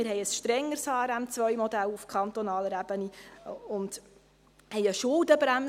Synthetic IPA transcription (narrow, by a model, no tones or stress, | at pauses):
ɪɾɦɛɪəsʃtɾɛŋːəɾshɑːɾæmt͡sʋœjmɔd̪ælufkʰɑnt̪ɔnɑːləɾæb̥əniʊnd | hɛɪəʃʊld̪əbɾæm